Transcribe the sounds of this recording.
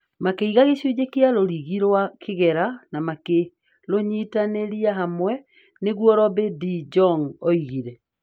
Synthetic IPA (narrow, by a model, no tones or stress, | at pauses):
makeiɣaɣeɕid͡ʑekealoɾiɣiɾwakʰeɣɛɾanamake | ɾoɲitaneɾiaɦamwɛ | neɣwɔɾɔbedid͡ʒɔŋoiɣiɾɛ